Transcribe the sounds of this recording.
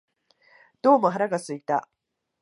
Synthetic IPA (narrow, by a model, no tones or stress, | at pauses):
d̪̥oːmɐɦɾaɡasɨk̚t̪a